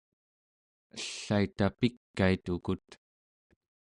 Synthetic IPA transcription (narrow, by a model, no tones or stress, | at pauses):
əɬːait̪apikːait̪ukut̪